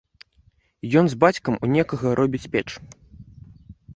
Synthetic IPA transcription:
jɔnzbat͡sʲkɐmunʲɛkɐɣɐɾʔɔbʲit͡sʲpʲɛt͡ʂ

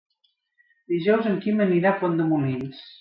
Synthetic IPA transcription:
d̪iʒɔwzəŋkiməniɾapond̪əmumens

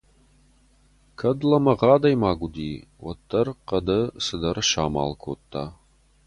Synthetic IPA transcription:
kʰɐdlɐmɐʁɑːd̪ɐjmaːɡʷʊd̪iːwɐ̰t̪ʰːɐrqɐd̪ɐsɨdɐrʃa̰ːma̰ːlkʰo̰ːt̪ʰːaː

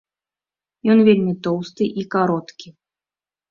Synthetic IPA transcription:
jɔnvʲelʲmʲit̪ɔwst̪ɨʔikaɾɔt̪kʲi

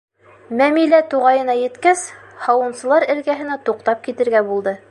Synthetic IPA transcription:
mæmilæt̪uʁɑjɤ̆nɑjɘ̆t̪kæshɑwɤ̆nsɤ̆lˠɑɾɘ̆lɡæɦɘ̆næt̪uq̚t̪ɑp̚kit̪ɘ̆ɾɡæbulˠd̪ɤ

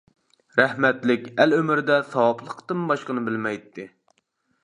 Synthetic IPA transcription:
ɾæhmɛt̪lɪkʲælømɪɾɪd̪ɛsɑwɑplˠəqt̪ɨmbɑʃqənɨbɪlmɛjt̪ʰːɪ

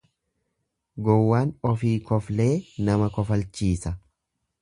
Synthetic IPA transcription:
ɡɔwːaːnɔfiːkɔfle̞ːnɐmɐkɔfɐlt͡ʃiːsɐ

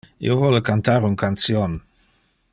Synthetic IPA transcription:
ḭwvɔləkant̪aːɾuŋkʰant͡sjɔn

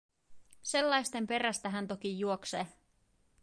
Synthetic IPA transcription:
se̞lːɑjst̪e̞mpe̞ræst̪æɦænt̪o̞k̟ijuokseː

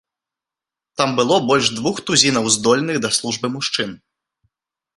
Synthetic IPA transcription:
t̪ambɨlˠɔbɔlʲʂd̪vuxt̪uzʲinɐwzd̪ɔlʲnɨɣd̪ɐslˠuʐbɨmuʂt͡ʂɨn

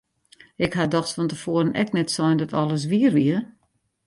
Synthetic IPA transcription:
ɪkhadɔxsfɔntəfoəɾənɛ̰knɛtsɔjndɔtʰɔlˠəs̬ʋiərʋiə

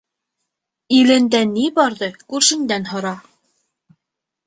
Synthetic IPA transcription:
ilɘ̆nd̪ænːibɑɾðɤkʉɾʃɘ̆nd̪ænhŏɾɑ

